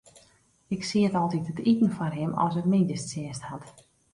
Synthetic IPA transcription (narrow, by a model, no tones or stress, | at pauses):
ɪksiətɔlˠtitətitən̩fɔrɦɪmɔ̰sətmɪndəstsɪəsthat